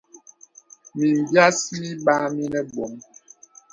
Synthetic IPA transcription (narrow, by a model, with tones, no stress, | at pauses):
mi˨m˨bja˦si˦i˦ɓa˦mi˦nɛ˦bo˨˦m